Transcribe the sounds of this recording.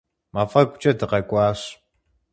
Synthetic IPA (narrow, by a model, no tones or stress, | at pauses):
maːfɐkʷʼʊt͡ʃʼɐtɨqɐkʷʼɑːɕ